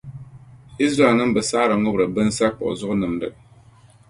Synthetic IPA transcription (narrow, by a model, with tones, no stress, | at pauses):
i˦s̬ɾa˨nɨ˦m˦bɨ˨saː˦ɾɨ˨ŋʊ˦bɾɨ˨bɨ˦n˦sa˦k͡pɔ̰˨ʔʊ̰˨zʊ˦ʔʊ˦nɨ˨mdɨ̰˨